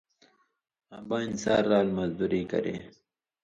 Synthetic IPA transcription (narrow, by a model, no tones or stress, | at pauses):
abɑːinsɑːɾːɑːlmɐzd̪uɾiːkɐ̰ɾḛ